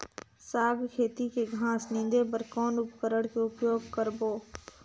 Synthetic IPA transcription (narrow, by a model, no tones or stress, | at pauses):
saːɡʱkʰeːt̪ikeɡʱãːsnɪ̃nd̪epəɾkɔːnʊpkəɾəɽkeʊpjoːɡkəɾboː